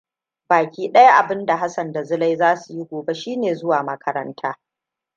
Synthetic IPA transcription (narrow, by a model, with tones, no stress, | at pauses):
baː˨kʲiː˦ɗɐ˦ja˦ʔa˨bɪ˦nda˨ɦa˦sɐ˨nda˨zʊ˦la˦jzaː˦su˨ji˦ɡʷoː˨be˦ʃiː˦neː˨zʊ˦waː˨mɐ˦kʰɐ˦ɾɐ˦ntʰaː˦